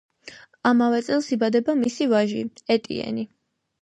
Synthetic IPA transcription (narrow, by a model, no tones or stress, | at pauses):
amavɛt̪sʼɛlˠsibad̪ɛbamisivaʒiɛt̪ʼḭɛ̰ni